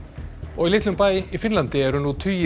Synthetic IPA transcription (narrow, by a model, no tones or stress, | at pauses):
ɔɣilɪt̪lʏmpaːjifɪnlant̪ɪɛɾʏnːut̪ʰyj